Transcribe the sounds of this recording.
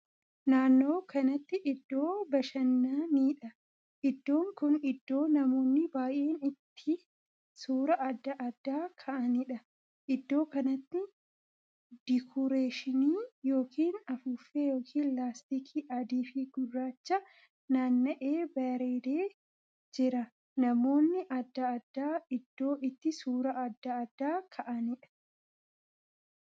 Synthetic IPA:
naːnːo̞ːkɐnɐt̪ːɪʔɪd̪ːo̞ːbɐʃɐnːaːniːᶑɐ | ʔɪd̪ːo̞ːŋkʊnɪd̪ːo̞ːnɐmo̞ːnːɪbaːjʔe̞ːnɪt̪ʰːɪ | suːɾɐʔɐd̪ːɐʔɐd̪ːaːkʰɐʔɐnɪᶑɐ | ʔɪd̪ːo̞ːkɐnɐt̪ːɪ | d̪̥ɪkʰʊɾeːʃɪniːjo̞ːkiːnɐfuːfːejo̞ːkʰiːnlaːst̪ikʰiʔɐd̪iːfɪɡʊrːaːt͡ʃːɐ | naːnːɐʔe̞ːbɐɾeːd̪eː | d͡ʒɪɾɐ | nɐmo̞ːnːɪʔɐd̪ːɐːd̪ːaːɪd̪ːo̞ːʔɪt̪ːɪsuːɾɐʔɐd̪ːɐːd̪ːaːkʰɐʔɐnɪᶑɐ̥

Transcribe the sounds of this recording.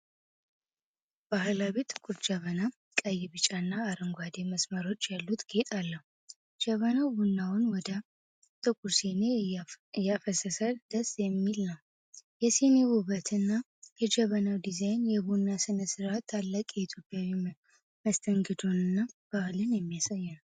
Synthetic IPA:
b̥ahlaβit̪ʼɨkʼuɾd͡ʒəβəna | kʼəjɪβɨt͡ʃʼanːaːɾɨŋɡʷad̪e̞məsməɾo̞t͡ʃːjalːut̪ɡe̞t̪ʼalːəhu | d͡ʒəβənawbunːawʊnwɔd̪ə | t̪ʼɨkʼuɾsene̞jafəsəsəld̪əsjɛmːilnəw | jɛsenewuβət̪ʰɨnːa | jɛd͡ʒəβənawd̪izajnjɛbunːasɨnəsɨɾat̪ʰːalːakʼjɛit̪ʰjo̞pʼjawi | məst̪ʰəŋɡəd̪onɨnːab̥ahlɨnjɛmːijasajːɛnəw

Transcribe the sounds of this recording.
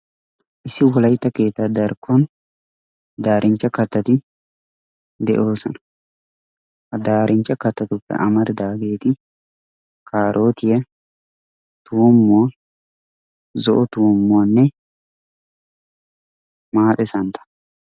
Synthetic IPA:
ʔɪsːɪwɔlɐjt̪ːɐke̞ːt̪ːad̪ɐɾkun | d̪aːɾʔɪnt͡ʃːɐkɐt̪ːɐt̪ɪ | d̪ɛ̰ʔo̞ːsɐnɐ̥ | hɐd̪aːɾʔɪnt͡ʃːɐkɐt̪ːɐt̪ʊpːɛ̰ʔɐmɐɾd̪aːɡe̞ːt̪ɪ | kaːɾʔo̞ːt̪ɪjɛ | t̪uːmːoː | zɔʔɔt̪uːmːoːnːɛ | maːt̪ʼɛsɐnt̪ɐ̥

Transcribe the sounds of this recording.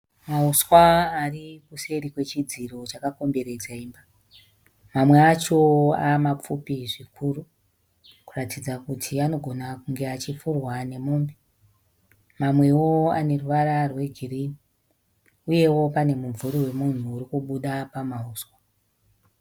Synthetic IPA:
mauswaːripuse̞ɾikwe̞t͡ʃid͡ziro̞t͡ʃakako̞mbe̞ɾe̞d͡zaiːmba | mamwe̞at͡ʃo̞amap͡fupiʐikʰuːru | kuratid͡zakutʰiano̞ɡʱo̞nakuŋɡe̞at͡ʃifurwane̞moːmbi | mamwe̞wo̞a̰ne̞ruʋaɾarwe̞ɡʱiriːni | uje̞wo̞pane̞muɱvuɾiwe̞mun̤uːɾikuɓuɗapamauːswa

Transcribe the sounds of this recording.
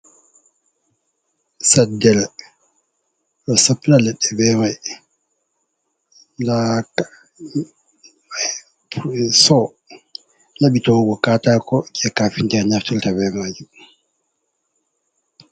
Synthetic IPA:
sadɛl | lɔsapːlalɛɗɛbɛɾɛ | la | psɔ | nabitɔwɡɔkatakɔkɛkafintɛɾɲaftɛltabɛmad͡ʒi

